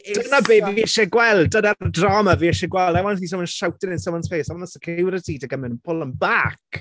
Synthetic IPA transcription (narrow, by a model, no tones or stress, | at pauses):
ənabeːviiɛʃɛɡwɛlˠdədadrɔməviːɛʃɛɡwɛlˠdawanhiːsəmɔnʃawtɪnɪnsəmɔnsfeːsɔnəsəkʰɪwɾətʰiːdəɡəmɪnənpʰʊlˠəmbak